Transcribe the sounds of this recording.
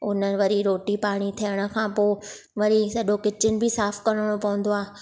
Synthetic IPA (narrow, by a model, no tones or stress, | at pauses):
ʊnənʋɐɾiɾoːʈipaːɽ̃it̪ʰijəɽ̃ə̆kʰãːpoː | ʋɐɾisɐɗokɪt͡ɕɪnɪ̆bʱɪsaːfkɐɾəɽ̃opɐʋʊ̃n̆d̪oaː